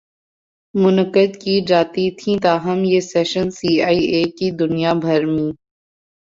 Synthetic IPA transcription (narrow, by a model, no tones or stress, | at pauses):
mʊnəkəd̪kid͡ʒaːt̪it̪ʰĩːt̪aːɦəmjeːsɛːʃənsiːaːieːkid̪ʊnijaːbʱɐɾmĩː